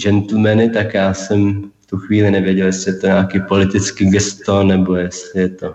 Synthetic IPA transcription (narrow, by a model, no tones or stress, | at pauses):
d͡ʒɛnt̪l̩mɛnɪt̪akjaːsɛmft̪uxviːlɪnɛvjɛɟɛljɛslɪjɛt̪oɲaːkiːpo̞lɪt̪ɪt͡skiɡɛst̪onɛbo̞jɛst̪lɪjɛt̪o̞